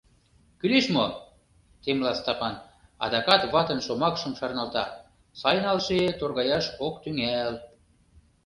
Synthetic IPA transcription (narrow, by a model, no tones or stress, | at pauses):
kyleʃmo | t̪emlɑst̪ɑpɑn | ɑ̰d̪ɑkɑt̪βɑt̪ə̆nʃomɑkʃəmʃɑrnɑlt̪ɑ̰ | sɑjnɑlʃet̪orɣɑjɑʃokt̪yŋæl